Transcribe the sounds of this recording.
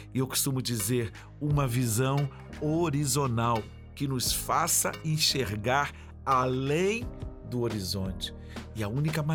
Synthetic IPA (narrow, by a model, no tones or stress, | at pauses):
ɪewko̥st̪ũmʊd͡ʒizeɾ | ũmɐvizɐ̃w̃ | oɾizonaw | kɪnʊsfasɐẽʃeɾɡaɾ | alẽj̃d̪ʊoɾizõnt͡ʃɪ̥ | ɪɐũnikɐma